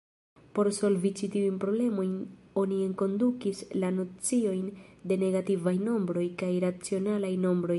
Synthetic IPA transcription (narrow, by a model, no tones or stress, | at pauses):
po̞ɾso̞lvit͡ʃitiujnpɾo̞ble̞mo̞jn | o̞nie̞ŋko̞ndukislano̞t͡sio̞jnde̞ne̞ɡativajno̞mbɾo̞jkajɾat͡sio̞nalajno̞mbɾo̞j